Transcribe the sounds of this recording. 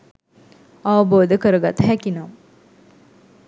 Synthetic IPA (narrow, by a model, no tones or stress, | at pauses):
aʋəboːd̪əkəɾəɡat̪ɦækinaːm